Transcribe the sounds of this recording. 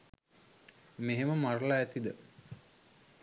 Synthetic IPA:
meɦeməmaɾəlaæt̪id̪ə

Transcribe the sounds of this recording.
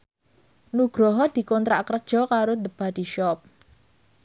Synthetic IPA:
nuɡ̥ɾɔɦɔd̪̥i̤kɔnt̪ɾaʔkərd̥ʒ̥ɔ̤kaɾod̪əb̥ad̪̥iʃɔp̚

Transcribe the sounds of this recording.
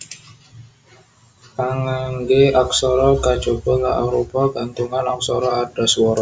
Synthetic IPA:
aŋaŋɡeak̚sɔɾɔkat͡ʃobəŋa̰ʔa̰ɾopaɡant̪uŋanak̚sɔɾɔadaswɔɾ

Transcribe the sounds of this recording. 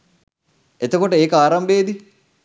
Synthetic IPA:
et̪əkoʈəeːkəaːɾɐmbeːd̪i

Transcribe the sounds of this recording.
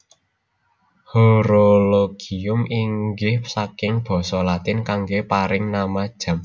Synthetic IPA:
hoɾoloɡ̥i̤ʊmiŋɡɪhsakɪŋb̥ɔ̤sɔlat̪ɪnkaŋɡepaɾɪŋnamad̥ʒ̥a̤m

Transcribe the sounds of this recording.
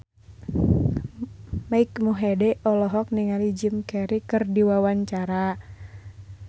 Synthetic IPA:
maikmuɦɛdɛʔɔlɔɦɔk̚niŋalid͡ʒimkɛɾikɨrdiwawaɲt͡ʃaɾa

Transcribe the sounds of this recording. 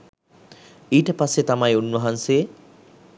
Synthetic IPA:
ejʈɐpaset̪amajunːwoɦanseː

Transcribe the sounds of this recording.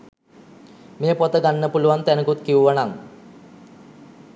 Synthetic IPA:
meːpot̪əɡanːəpuluʋant̪ænəkut̪kiuʋanaŋ

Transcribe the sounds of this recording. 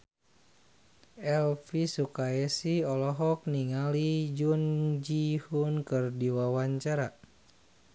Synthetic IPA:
ʔɛlfisukaɛsiɔlɔɦɔk̚niŋalid͡ʒund͡ʒihunkɨrdiwawaɲt͡ʃaɾa

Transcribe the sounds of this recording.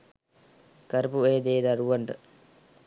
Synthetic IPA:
kɐɾpueːd̪eːd̪ɐɾuʋɐɳɖə

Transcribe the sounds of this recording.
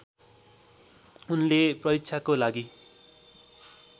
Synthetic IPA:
unleprʌɾikt͡sʰakolaɡi

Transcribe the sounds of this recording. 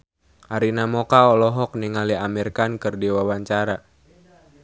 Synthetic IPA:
ʔaɾinamɔkaɔlɔɦɔk̚niŋaliamirkankɨrdiwawaɲt͡ʃaɾa

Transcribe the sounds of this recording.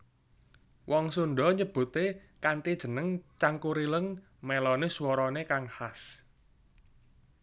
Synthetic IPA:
wʔɔŋsunɖɔ̤ɲəb̥ṳt̪e | kaɳʈid̥ʒ̥ə̤nəŋt͡ʃaŋkuɾiləŋ | melɔnɪswɔɾɔnekaŋhas

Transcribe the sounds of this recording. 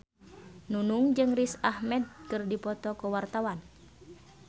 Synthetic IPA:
nunuŋd͡ʒɨŋrisahmɛd̪̚kɨrdipɔt̪ɔkəwart̪awan

